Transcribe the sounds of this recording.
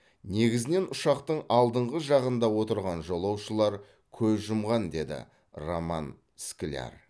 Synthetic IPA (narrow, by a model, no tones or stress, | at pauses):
ne̞ɡʲɪzɪne̞nʊʃɑqt̪əɴɑlˠd̪əɴʁəʒɑʁənd̪ɑwo̞t̪əɾʁɑnʒolˠɑwʃəlˠɑɾ | kʲʰɵzʒʊmʁɑnd̪e̞d̪ɪ̰ | romɑ̰n | skʲɪlʲa̰r